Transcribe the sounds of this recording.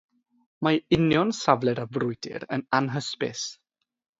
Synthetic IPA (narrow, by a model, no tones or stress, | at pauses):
maɪnjɔnsavlˠɛɾavrʊjd̥ɪ̰ɾə̰nanɦəspɪ̰s